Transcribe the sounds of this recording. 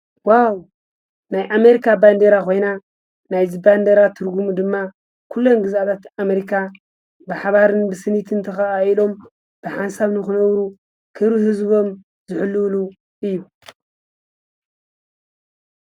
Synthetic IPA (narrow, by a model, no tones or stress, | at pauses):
waw | najʔame̞ɾikʰaband̪eɾakʰo̞jna | najziband̪eɾat̪ʰɨɾɡumud̪ɨmːa | kʰulːo̞nɡɨzat̪ʰat̪ameɾikʰa | bɨħaβaɾɨnbɨsɨnit̪ʰɨnt̪ʰɐxaʔailo̞m | b̥ɨħansaβnɨxɨnɐβɾu | kʰɨβɾihɨzbo̞m | zɨħɨlːulu | ɨjːu